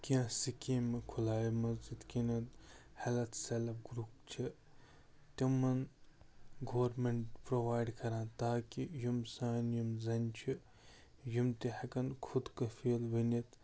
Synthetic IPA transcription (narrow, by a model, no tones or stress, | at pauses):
kʲiãsikẽːmɐkʰulaːjimɐzd͡ʒid̪kʲinɐt̪hɐlɐt̪ʰselɐp̚ɡɾuːpt͡ʃʰi | t̪imːɐn | ɡoːɾmeɳʈpɾoʋaːjɖkɐɾãːt̪aːkijimsaːnjimzɐnʲt͡ʃʰi | jimt̪ihɐkɐnkʰud̪kɐfeːlʋɐnit̪